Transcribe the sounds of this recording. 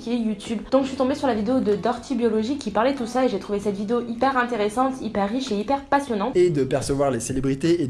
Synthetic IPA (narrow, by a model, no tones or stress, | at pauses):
kʲejut̪ybd̪̥ɔ̃kʒəsit̪ɔ̃besyʁlavid̪eod̪əd̪ɔʁt̪ʰibjɔlɔʒikʲːipaʁlɛt̪usaeʒet̪χuvesɛt̪vid̪eoʔipɛʁɛ̃t̪eʁesɑ̃t̪ipɛʁːiʃeipɛʁpasjɔnɑ̃t̪ed̪əpɛʁsəvwaʁleselebʁit̪ee